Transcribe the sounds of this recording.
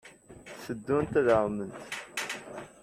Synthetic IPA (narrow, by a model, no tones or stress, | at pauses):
səd̪ːunt̪ðəʁˤmənt̪